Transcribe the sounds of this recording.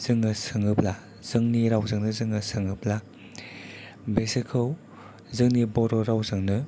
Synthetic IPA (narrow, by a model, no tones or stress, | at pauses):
z̥ɯŋɯsɯŋɯp̚la | z̥ɯŋniɾawzɯŋnɯzɯŋɯsɯŋɯp̚la | besekʰɯw | zɯŋnibɔɾɔɾawzɯŋnɯ